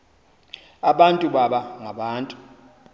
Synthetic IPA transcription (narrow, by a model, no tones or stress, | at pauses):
aɓantʼuɓaɓaŋaɓaːntʼu̥